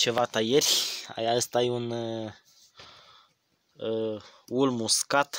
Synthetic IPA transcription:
t͡ʃe̞vat̪ajerʲa̰jaəst̪ajun | ulmuskat̪

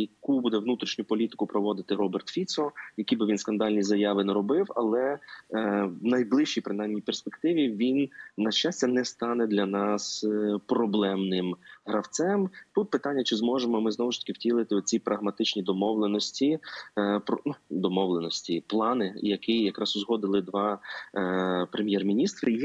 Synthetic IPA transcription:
jɐkubud̪ɛʋnut̪ɾʲiʃnʲʊpɔlʲit̪ɪ̥kʊpɾɔʋɔd̪ɪt̪ɪɾɔbert̪fʲit̪sɔjɐkʲijbɪʋʲinskɐnd̪ɑlʲnʲizɐjɑʋɪnɛɾɔbɪwɐ̰lˠɛ | wnɐjblˠɪʃt͡ʃijpɾɪnɑjmnʲijperspekt̪ɪʋʲiʋʲinːɐʃt͡ʃasʲtʲɐnɛst̪ɑnɛd̪lʲɐnɑspɾɔblˠɛmnɪmɦɾɐwt̪sɛmt̪ut̪̚pɪt̪ɑnʲːɐt͡ʃɪzmɔʒemɔmɪznɔwʊʃt̪ɐ̥kʲɪwtʲilˠɪt̪ɪɔt͡sʲipɾʔɐɦmɐt̪ɪt͡ʃnʲid̪ɔmɔwlˠenɔsʲtʲi | pɔnud̪ɔmɔʋlˠenɔsʲtʲiplˠɑnɪjɐkijɐkɾɑsʊzɦɔd̪ɪlˠɪd̪ʋɑ | pɾemʲjɛrmʲinʲist̪ɾɪ

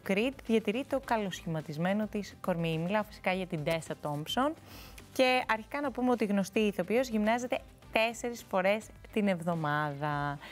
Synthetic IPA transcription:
okɾid̪ðʝɐt̪iɾit̪o̞kɐlo̞sçimɐt̪izme̞no̞t̪isko̞ɾmimilɐfi̥si̥kɐʝɐt̪ind̪est̪ɐt̪o̞mbso̞n | ce̞ɐɾçi̥kɐnɐpumeo̞t̪iɣno̞st̪iːθopiozʝimnɐze̞t̪e̞ | t̪e̞se̞ɾisfo̞ɾe̞st̪ine̞vðo̞mɐðɐ

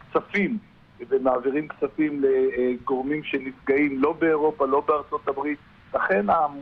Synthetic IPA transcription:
kt͡safim | vemaːviʁimkt͡safimle̞ɡo̞ʁmimʃe̞nifɡaimlo̞beːʁo̞palo̞beaʁt͡so̞t̪abʁit̪ | laχe̞na

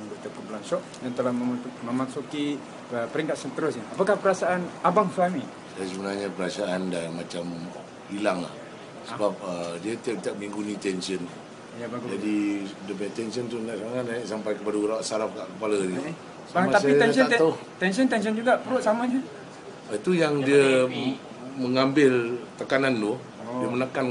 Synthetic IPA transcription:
ŋbut̪əkəbəlansɔʔ̚jaŋt̪əlahməməmasuki | əpəɾiŋkat̪̚sənt̪əɾʊsɲaapakahpəɾasaanabaŋsuami | sajasəbənarɲapəɾasaʔandanmat͡ʃam | hilaŋla̰h | səbap̚ədiat̪iap̚t̪aʔ̚mĩŋɡunĩt̪ɛnsən | jabaɡud͡ʒadidəpt̪ɛnsənt̪undaʔsaŋaʔ̪naaʔsampajkəpadauɾawaʔsaɾafkaʔkəpalənit̪u | səmat̪aait̪ɛnət̪a | t̪ɛns̬ənt̪ɛns̬ənd͡ʒuɡapəɾʊt̪̚samaɲa | it̪ujaŋdiə | məŋambɪlt̪əkanant̪ʊh | diəmənakan

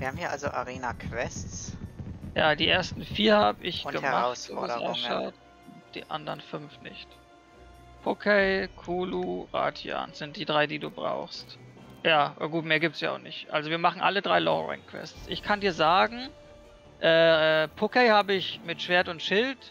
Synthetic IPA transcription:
viːɐhaːm̩hiːɐʔalzoʔaʁeːnakʰv̥ɛst͡s | jaːdiːʔeːɐstn̩fiːɐhaːbəʔɪçɡ̥əmʁaʊtso̰ːɔasɛ̰ʃa̰t | ʊnd̥ḭːʔa̰ndɐʁnfʏnfnɪ̰çt | pʰokʰɛɪkʰuːluʁa̰ːtʰja̰ːnz̥ɪnt̚d̥iːdʁaɪdiːduːbʁa̰ʊxst | jaːɡuːtmeːɐɡiːptsjaːaʊχnɪçtʔa̰lzoviːɐmaχn̩ʔalədʁaɪlɔ̰ʁɛ̰ŋkʰv̥ɛ̰stsʔɪçkʰandiːɐzaːɡŋ̩ | ʔɛːpʰokɛɪhaːbəɪçmɪtʃv̥eːɐtʊntʃɪlt

